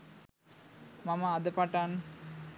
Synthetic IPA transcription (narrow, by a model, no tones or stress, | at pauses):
maməad̪əpaʈan